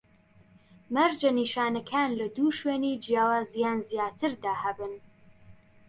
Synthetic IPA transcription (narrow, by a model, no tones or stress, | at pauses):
mɐɾd͡ʒɐniːʃaːnɐkʰaːnlɐd̪uːʃweːniːd͡ʒijaːwaːzijaːnzjaːt̪ʰɨɾd̪aːhɐbɨn